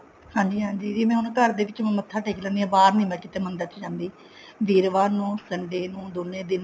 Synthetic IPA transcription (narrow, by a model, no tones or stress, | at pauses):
hãːɲd͡ʒiːɦãːɲd͡ʒiːd͡ʒiːmɛ̃ːʊnkəɾd̪eːʋɪt͡ʃːmət̪ʰːaːʈʰeːklə̃ːnd̪iːɛ̃ːbaːɾnĩːmɛ̃ːkɪt̪eːmənd̪ət͡ʃːd͡ʒãːnd̪iː | ʋiːɾʋaːnũːsəɳɖeːnũːd̪oːnːẽːd̪ɪn